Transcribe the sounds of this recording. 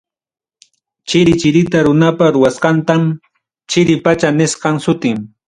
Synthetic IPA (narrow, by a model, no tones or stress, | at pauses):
t͡ʃɪɾɪt͡ʃɪɾɪt̪aɾʊnapaɾʊwasqɑnt̪am | t͡ʃɪɾɪpat͡ʃanɪsqɑŋsʊt̪ɪm